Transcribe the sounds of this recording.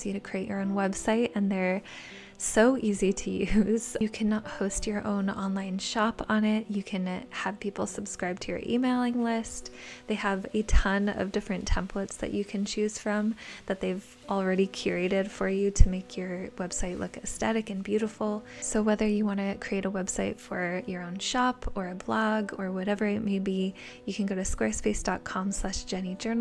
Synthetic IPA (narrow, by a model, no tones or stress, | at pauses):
z̥jɨɾɨkʰɹ̥ieɪʔə̰˞õʊ̃nwɛbsaɪɾɨ̃nðə˞ | soʊʔiziɾɨjʉz̥ɨkʰænət̚hoʊst͡ʃə˞ʔõ̰ʊ̃nɑ̃nlãɪ̃nʃɑpn̩ɪt̚jɨkʰɨ̃nəv̥pʰipl̩ˠsɨb̥skɹaɪb̚tʰɨjə̰˞ʔḭmeɪlˠɪ̃ŋlɪst̚ðeɪəvɨtʰʌ̃nʌ̰vdɪfɹɨ̃ntʰɛ̃mpʰlətsðɨ̰t͡ʃɨkʰɨ̃nt͡ʃʰʉz̥fɹʌ̃mðɨt̪̚ðeɪv | l̩ˠɹɛɾikʰj̥ʊɹeɪɾɪd̥fə˞jʉɾɨmeɪkʰjə˞wɛb̥saɪtˡlʊkɨsθɛɾɨkɨ̃nbjʉɾəfl̩ˠsoʊwɛðə˞jɨwɑ̃ñɨkʰɹ̥ieɪɾəwɛb̥saɪtfə˞jə˞õʊ̃nʃɑpʰə˞ɨblɑɡə˞wʌɾɛvə˞ɨt̚meɪbi | jɨkʰɨ̃nɡoʊɾɨskwɛɹspeɪsd̥ɑt̚kʰɑ̃mslæʃd̥ʒ̥ɛnid͡ʒɜ˞nl̩ˠ